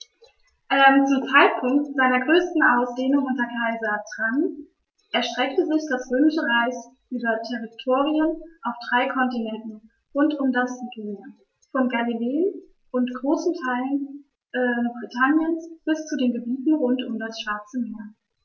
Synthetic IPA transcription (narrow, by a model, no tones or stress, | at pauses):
ʔɛmt͡sʊmt͡saɪt̚pʰʊŋktz̥aɪnɐɡʁøːstn̩ʔaʊsd̥eːnʊŋʔʊntɐkʰaɪzatʁ̥aŋ | ʔɛɐʃtʁ̥ɛktəzɪçd̥asʁ̥øːmɪʃəʁaɪsʔyːbɐtʰɛʁitʰoːʁiənʔaʊfd̥ʁaɪkʰɔntinɛntn̩ | ʁʊntʊmdasɡeː | fɔnɡalileːən | ʔʊntɡ̥ʁoːsn̩tʰaɪlən | ʔɛːbʁitʰanjənsb̥ɪst͡sudeːnɡəbiːtn̩ʁʊntʊmdasʃv̥aɐt͡səmeːɐ